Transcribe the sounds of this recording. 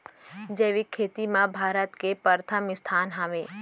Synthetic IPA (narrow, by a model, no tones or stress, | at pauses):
d͡ʒeːʋikʰeːt̪imãbʱaːɾət̪kepəɾt̪ʰəmɪst̪ʰaːnɦaːʋẽː